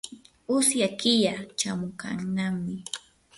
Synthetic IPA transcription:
ʊsjakɪjat͡ʃamʊka̰ŋnamɪ

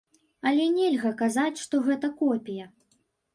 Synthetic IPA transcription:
ɐlʲɛnʲɛlʲɣɐkazat͡sʲʂt̪ɔɣɛt̪ɐkɔpʲijɐ

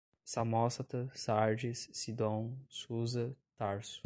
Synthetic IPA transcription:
sɐmɔsɐt̪ɐsaɾd͡ʒisːid̪õw̃suzɐt̪aɾsu̥

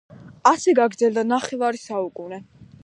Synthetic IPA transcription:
asɛɡaɡɾd̪zɛld̪anaχɛvaɾisaukʼunɛ

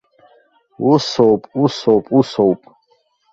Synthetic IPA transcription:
wusɔwpʼusɔpʼusɔwpʼ

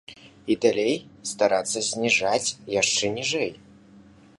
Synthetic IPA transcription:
id̪alʲejst̪aɾat̪sːɐzʲnʲiʐat͡sʲjaʂt͡ʂɛnʲiʐɛj

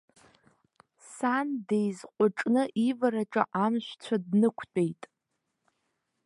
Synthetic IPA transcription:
sandejzqʷʼʊʈ͡ʂʼnɨʔivaɾaʈ͡ʂʼa̰ʔamʃᶣʷt͡ɕʷʰadnɨkʷʰt͡pʼejtʼ

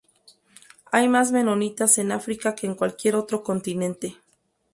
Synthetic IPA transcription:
ajmazme̞nonit̪asenafɾikake̞ːŋkwalkje̞ɾo̞t̪ɾo̞ko̞nt̪inẽ̞nt̪e̞

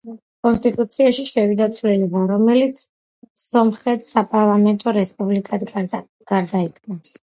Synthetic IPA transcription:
kʼɔnst̪ʼit̪ʼut̪sʰiaʃiʃɛvid̪at̪sʰvlɛlibaɾɔmɛlit̪sʰ | sɔmχɛt̪ʰsapʼaɾlˠamɛnt̪ʼɔɾɛspʼublikʼad̪ | ɡ̥aɾd̪aikʰna

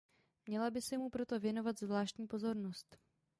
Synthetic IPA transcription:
mɲɛlabɪsɛmupɾo̞t̪o̞vjɛno̞vat̪zvlaːʃcɲiːpo̞zo̞ɾno̞st̪

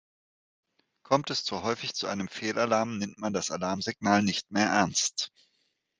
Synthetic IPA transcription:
kʰɔmtɛst͡suɦɔʏfɪçt͡suʔaɪnəmfeːlʔalaɐmnɛmtmandasalaɐmzɪɡnaːlnɪçtmeːɐʔɛɐnst

